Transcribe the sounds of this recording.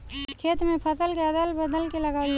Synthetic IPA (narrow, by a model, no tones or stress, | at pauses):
kʰeːt̪mẽpʰəsəlkeəd̪əlbəd̪əlkeləɡaːi